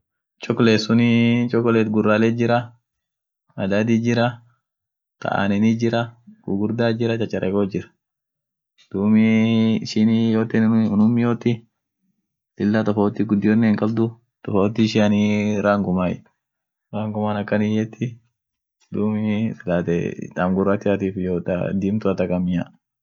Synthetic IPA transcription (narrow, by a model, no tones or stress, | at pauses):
t͡ʃʼɔkːleːsʊnɪt͡ʃʼɔkːɔlet̪ɡʊrːaːled͡ʒɪɾɐ | ɐd̪aːd̪id͡ʒɪɾɐ | t̪ʰɐ̰ʔa̰ːnɛnid͡ʒɪɾɐɡ̥ʊ̰ɡʊɾd̪aːd͡ʒɪɾɐt͡ʃʼɐt͡ʃːɐɾʔɛ̰koːd͡ʒɪɾɐ̥ | d̪̥uːmɪʃɪnjoːt̪ɪnʊnʊmːɪjoːt̪ːɪ | lɪlːat̪ɔfoːt̪ːɪɡʊd̪ːɪjɔnːeŋkʼɐld̪ʊ | t̪ɔfot̪ːɪʃɪɐniɾaːŋɡʊmaː | ɾaːŋɡʊmaːnɐkːɐnijɛt̪ʰːɪ | d̪uːmɪfɪlaːt̪ɛ̰t̪aːmɡʊrːat̪ːɪat̪iːfjoːt̪a̰d̪iːmt̪ʊɐt̪ɐkʼɐmɪja